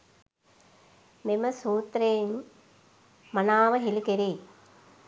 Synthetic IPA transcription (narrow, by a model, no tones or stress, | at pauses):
meməsuːt̪ɾejn | manaːʋəɦilikeɾe